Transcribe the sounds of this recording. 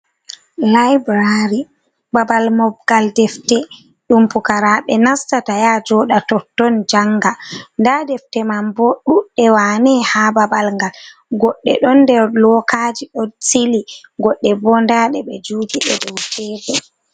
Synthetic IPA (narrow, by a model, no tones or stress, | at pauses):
lajbɾaɾi | babalmɔbɡaldɛftɛ | ɗumpukaɾaɓɛnastatajad͡ʒɔɗatɔtːɔnd͡ʒaŋɡandadɛftɛmamboɗuɗɛwanɛhababalŋɡalɡɔɗːɛ̰ɗɔndɛɾlɔkaːd͡ʒiɗɔsiliɡɔɗːɛbɔndaɗɛɓɛd͡ʒuːɡiɗɛdɔwtʰɛːbɛ